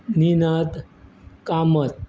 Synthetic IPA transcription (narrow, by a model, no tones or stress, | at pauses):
ninət̪ | kamət̪̚